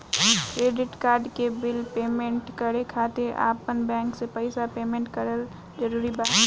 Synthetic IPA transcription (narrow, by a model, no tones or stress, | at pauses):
kɾeːɖɪʈkaːɾɖkebɪlpeːmẽɳʈkəɽekʰaːt̪eʔa̰ːpənbɛ̃ːŋksepəɪsapeːmẽːɳʈkəɾəl | d͡ʒəɾuːɾibaːt̪